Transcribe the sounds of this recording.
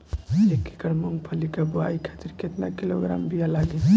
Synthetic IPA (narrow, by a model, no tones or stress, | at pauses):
ekːe̥kəɽmuŋɡpʰəlikabuaikʰat̪iɾket̪nakiloɡɾa̰mbʱijalaɡe